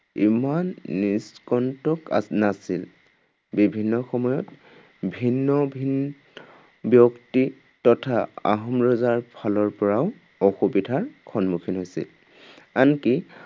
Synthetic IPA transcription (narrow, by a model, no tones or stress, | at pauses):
imanːiskɔntɔka̰nasil | bibʱinːɔxɔmɔjɔt | bʱinːɔbʱin | bjɔkti | tɔtʰaa̰ɦɔmɹɔzaɹpʰalɔɹpɔɹaʊ | ɔxubidʱaɹkʰɔnmukʰinɦojsḭl | anki